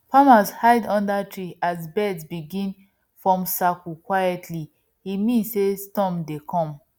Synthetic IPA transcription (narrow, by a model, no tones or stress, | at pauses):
pamashaɪdɔ̃ndatʰɹiʔazbɛdsbiɡĩn | fɹɔ̃msakukwajɛtʰli | imĩnssestɔ̃mdekʰɔ̃m